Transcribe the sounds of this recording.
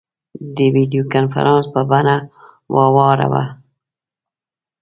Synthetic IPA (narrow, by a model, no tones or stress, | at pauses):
d̪əwid̪ijokanfa̰ɾʔɑnspəbana | wʔɑwɑɾa̰wa̰